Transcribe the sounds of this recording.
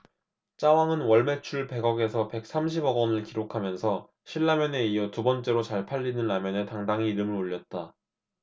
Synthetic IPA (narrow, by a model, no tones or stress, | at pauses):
t͡ɕ͈awaŋɯnwʌɭme̞t͡ɕʰuɭpe̞ɡʌɡe̞sʰʌpe̞k̚s͈amɕʰibʌɡʌnɯɭkiɾokʰamjʌnsʰʌ | ɕʰiɭːamjʌne̞ijʌtubʌnt͡ɕ͈e̞ɾot͡ɕaɭpʰaʎːinɯnːamjʌne̞taŋdaŋiːɾɯmɯɾoʎːʌt̚t͈a